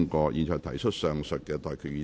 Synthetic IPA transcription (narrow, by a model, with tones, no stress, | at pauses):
ŋkɔː˧jʔiː˨˧nt͡ʃʰɔː˨jt̪ʰɐ˨˩jt͡ʃʰɵ˥t̚sœː˨ŋsœ˨t̚kːɛː˧t̪ɔː˨jkʰy˨jiː˨˧